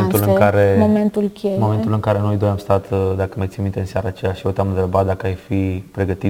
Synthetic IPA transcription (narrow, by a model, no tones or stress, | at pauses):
ent̪ulɨŋkaɾe̞moment̪ulkʲejmo̞me̞nt̪ulɨŋkaɾe̞no̞jd̪ojamst̪at̪d̪akəmajt̪simint̪enseaɾaːt͡ʃejaʃijot̪eamɨnt̪ɾebat̪̚d̪akəajfipɾe̞ɡət̪i